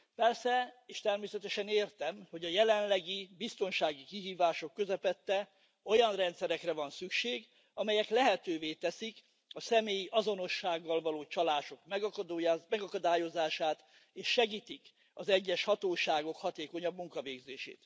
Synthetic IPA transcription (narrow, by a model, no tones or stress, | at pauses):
pɛrsɛeːʃt̪ɛrmeːsɛt̪ɛʃɛneːrt̪ɛmho̞ɟɒjɛlɛnlɛɡibist̪o̞nʃaːɡikiɦiːvaːʃo̞kːø̞zɛpɛt̪ːɛ | o̞jɒnrɛnt̪sɛɾɛkrɛvɒnsykʃeːɡ | ɒmɛjɛklɛɦɛt̪øːveːt̪ɛsik | ɒsɛmeːjiʔɒzo̞no̞ʃːaːɡːɒlvɒloːt͡ʃɒlaːʃo̞kmɛmɛɡɒkɒd̪aːjo̞zaːʃaːt̪ | eːʃːɛɡiːt̪ik | ɒzɛɟːɛʃhɒt̪oːʃaːɡo̞khɒt̪eːko̞ɲɒbmuŋkɒveːɡzeːʃḛːt̪